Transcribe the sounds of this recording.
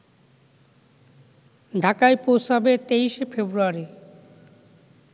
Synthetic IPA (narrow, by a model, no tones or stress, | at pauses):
ɖʱakaeposabet̪ejʃefʰebɾuaɾi